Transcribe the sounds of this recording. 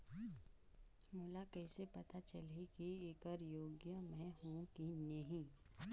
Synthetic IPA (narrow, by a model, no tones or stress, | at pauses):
mʊlakɛːsepɐt̪at͡ʃəlikieːkəɾjoːɡjəmɛ̃ɦũkinɐɦĩ